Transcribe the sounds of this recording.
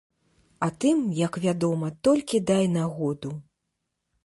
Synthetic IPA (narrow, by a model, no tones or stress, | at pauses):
at̪ɨmjɐkvʲad̪ɔmɐt̪ɔlʲkʲid̪ajnaɣɔd̪u